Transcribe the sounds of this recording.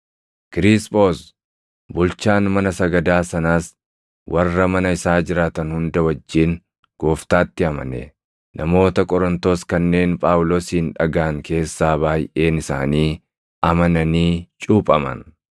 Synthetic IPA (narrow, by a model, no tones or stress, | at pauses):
kɪɾɪspʼo̞ːs | bʊlt͡ʃaːnmɐnɐsɐɡɐd̪aːsɐnaːs | wʔɐrːɐmɐnɐɪsaːd͡ʒɪɾaːt̪ɐnhʊnd̪ɐwɐd͡ʒːiːn | ɡ̥oːft̪aːt̪ːɪɐmɐ̰nɛ̰ | nɐmo̞ːt̪ɐkʼɔɾɔnt̪o̞ːskɐnːe̞ːnpʼaːwʊloːsiːnᶑɐɡaːŋke̞ːsːaːβaːjʔe̞ːnɪsa̰ːniː | ɐmɐnɐniːt͡ʃʼuːpʼɐmɐ̰n